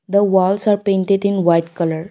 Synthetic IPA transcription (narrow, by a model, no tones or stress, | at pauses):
d̪əʋɔlsaɾpẽɳʈeɖinʋajʈkələɾ